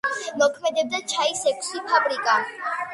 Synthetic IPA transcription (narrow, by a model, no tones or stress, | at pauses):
mɔkʰmɛd̪ɛb̚d̪at͡ʃʰaisɛkʰʼsipʰabɾikʼa